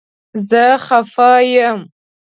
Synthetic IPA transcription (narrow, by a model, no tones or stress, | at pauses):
zəxafɑjəm